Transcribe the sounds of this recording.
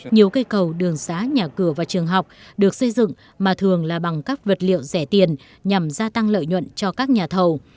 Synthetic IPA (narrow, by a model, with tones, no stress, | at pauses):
ɲi˨˩əwkə˧jkə˨˩wɗɨ˨˩əŋsaː˨˦ɲaː˨˩kɨ˧˩əvaː˨˩t͡ɕɨ˨˩əŋɦa˨˩wk͡p̚ɗɨ˨˩ək̚sə˧jzɨ̰˧˨ŋ | maː˨˩t̪ʰɨ˨˩əŋlaː˨˩ɓa˨˩ŋka˦˥k̚və˨˩t̚lḭ˧˨əwzɛ˧˩t̪i˨˩ən | ɲa˨˩mzaː˧t̪a˧ŋlə̰ː˧˨jɲwə̰˧˨nt͡ɕɔ˧kaː˦˥k̚ɲaː˨˩t̪ʰə˨˩w